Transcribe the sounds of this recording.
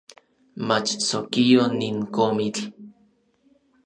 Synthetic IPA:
mat͡ʃt͡sokioniŋkomit͡ɬ

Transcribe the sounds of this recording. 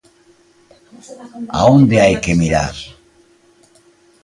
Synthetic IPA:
a̰ond̪eajkemiɾa̰ɾ

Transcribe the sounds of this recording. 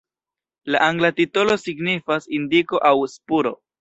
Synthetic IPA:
laʔaŋɡlatitolo̞siɡnifasindiko̞ʔawspuɾo̞̰

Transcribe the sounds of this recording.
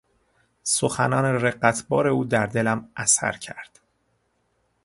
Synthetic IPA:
soxænɒːnereɢæt̪ʰbɒːɾe̞uːd̪æɾd̪e̞læmʔæsæ̰ɾcʰæɾd̪̥

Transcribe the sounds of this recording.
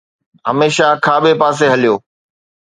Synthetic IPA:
ɦɐmeːʃakʰaːɓepaːs̬eɦɐlijoː

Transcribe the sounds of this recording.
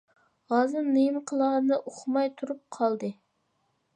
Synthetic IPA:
ʁɑzɨmnɨjmqʰəlˠɑːnɨʔoχmɑjt̪ʰuɾup̚qʰɑlˠd̪ɨ

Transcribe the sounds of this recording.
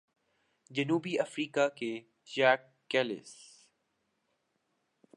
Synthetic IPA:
d͡ʑɐnuːbiɐfɾiːkake | d͡ʒæːkːɛːlɪ̰s

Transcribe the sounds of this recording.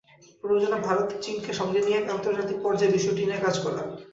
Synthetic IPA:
pɾod͡ʑonabʱaɾot̪t͡ɕinkeʃɔŋɡenijeant̪oɾd͡ʑat̪ik̚pɔɾd͡ʑaebiʃuʈiniekad͡ʑkɔɾla̰n

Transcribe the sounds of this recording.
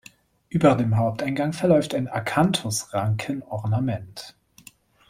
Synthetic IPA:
ʔyːbɐdeːmɦaʊp̚taɪnɡaŋfɛɐlɔʏftaɪnakʰantʰʊsʁaŋkʰənɔʁnamɛnt

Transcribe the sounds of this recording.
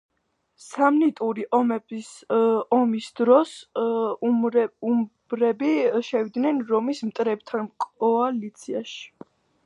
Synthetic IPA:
samnit̪ʼuɾiʔɔmɛ | ɔmisd̪ɾɔs | umbɾɛbiʃɛvid̪nɛnɾɔmismt̪ʼɾɛb̚t̪ʰankʼɔalit̪sʰiaʃi̥

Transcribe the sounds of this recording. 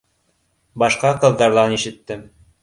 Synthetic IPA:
bɑʃqɑqɤ̆ðːɑɾðˠɑniʃɘ̆t̪ːɘm

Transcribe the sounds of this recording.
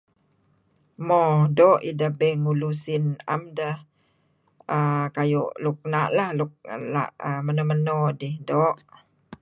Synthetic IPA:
mɔdɔʔḭdəbɛŋulusina̰mdəh | əkajɔʔluk̚naʔlahluk̚la̰ʔəmənomənodihdɔʔ

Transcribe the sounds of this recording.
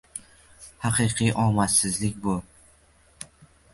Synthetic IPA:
hɑqʰɨqʰɨjʔɒmasɪzlɪkʲbʊ

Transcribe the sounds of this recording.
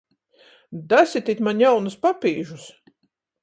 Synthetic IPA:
d̪asʲit̪ʲit̪ʲmanjawnuspapʲiːʒus

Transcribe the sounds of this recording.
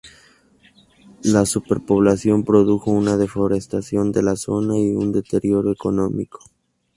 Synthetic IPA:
lasupe̞ɾpo̞β̞lasjo̞mpɾo̞ðuxo̞unaðe̞fo̞ɾest̪asjo̞nd̪e̞laso̞naiund̪e̞t̪e̞ɾjo̞ɾoeko̞no̞miko̥

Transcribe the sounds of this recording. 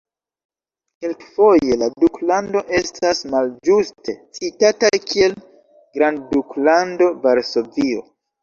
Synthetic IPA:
ke̞lkfo̞je̞laduklando̞ʔe̞stʰasmald͡ʒuste̞t͡sitatajkie̞l | ɡɾandduklando̞vaɾso̞vio̞̰

